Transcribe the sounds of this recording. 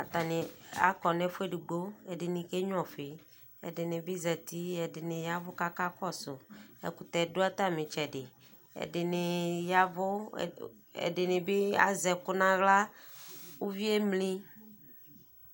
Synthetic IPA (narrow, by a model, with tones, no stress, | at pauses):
a˨t̪a˨nẽ˨a̰˦kɔ˨nɛ̃˦fe˦ɖu˨ɡ͡bo˦e˨ɖe˨nĩ˨ke˦ɲɔ̃˨fe˨ | ḛ˨de˨nẽ˨be˦zɛ˨t̪i˦ɛ˨de˨nẽ˨ja˦vʊ˦ka˦ka˦kɔ˦sʊ˨ḛ˨ku˨t̪ɛ˨do˦a˦t̪a˦mẽ˨t͡ʃɛ˨ɖɪ˨ | ḛ˨dɪ˨nẽ˨ja˦vʊ̰˦ | ḛ˨ɖe˨nẽ˨be˦a̰˦zɛ˨kʊ˦nã˦ɣla˦ | wu˦vi˦e˦mlĩ˦